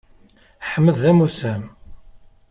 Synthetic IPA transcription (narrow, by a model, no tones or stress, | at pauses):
ħəmːəðæmusæm